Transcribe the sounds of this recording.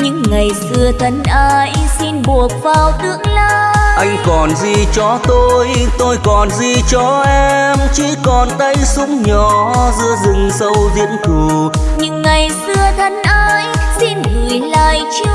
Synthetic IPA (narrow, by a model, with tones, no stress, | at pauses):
ɲɨ̰˧˥ŋːa˨˩jsɨ˧ət̪ʰə˨˦nʔaː˧jsi˧nɓu˨˩ək̚vaː˨˩wt̪ɨ˧˥əŋlaː˧ʔa˧jŋ̟kɔ˨˩nzi˧˩t͡ɕɔ˧t̪o˧jt̪o˧jkɔ˨˩nzi˧˩t͡ɕɔ˧ʔɛ˧mt͡ɕi˧˥kɔ˨˩nt̪ə˧jsʊ˨˧˦ŋ͡mɲɔ˨˩zɨ̰˧əzɨ˨˩ŋsə˧wzḭ˧˥ənku˨˩ɲɨ̰˧˥ŋːa˨˩jsɨ˧ət̪ʰə˨˦nʔaː˧jsi˧nŋɨ˨˩əjlaː˧˩jt͡ɕɨ˧˦